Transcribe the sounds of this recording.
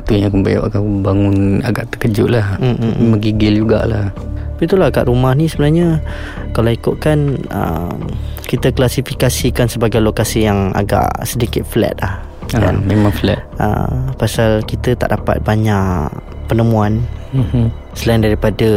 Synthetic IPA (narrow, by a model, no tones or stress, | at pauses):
t̪ujãŋkəmbaja̰ʔaɡaʔbaŋʊnaɡaʔt̪əkəd͡ʒʊʔlah̩memaŋɡiɡɪld͡ʒuɡa̰ʔlah̪apit̪ulaaɡa̰ʔɾumahnisəbənarɲə | kalaikʊʔ̪̚kanə̰mkit̪əklasifikasikansəbaɡajlokasijaŋa̰ɡa̰ʔsədikɪt̪̚flɛ̰t̪̚lah | əa̰memaŋflɛ̰t̪̚ʔə̰pasalkit̪ət̪a̰ʔdapa̰t̪̚baɲaʔ | pənəmuan | səlaɪndaɾipadə